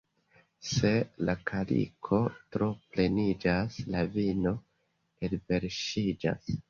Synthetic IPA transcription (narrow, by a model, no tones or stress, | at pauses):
se̞lakʰalḭkʰo̞tɾo̞ple̞nid͡ʒaslavino̞ | elve̞ɾʃid͡ʒa̰s